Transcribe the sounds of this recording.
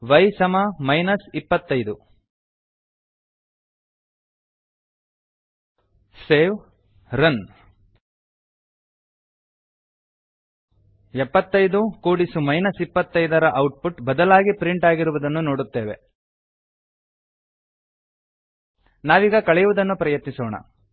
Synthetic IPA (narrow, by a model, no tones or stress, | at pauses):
ʋɐjsɐmɐmɐjnɐsipːɐt̪ːɐjd̪u | seːʋ | ɾɐn | ɛpːɐt̪ːɐjd̪ukuːɽisumɐjnɐsipːɐt̪ːɐjd̪ɐɾɐʔɐwʈ̚puʈbɐd̪ɐlaːɡipɾiɳʈaːɡiɾuʋud̪ɐnːunoːɽut̪ːe̞ːʋe̞̰ | naːʋiːɡɐkɐɭɛjuʋud̪ɐnːupɾɐjɐt̪nisoːɳɐ̰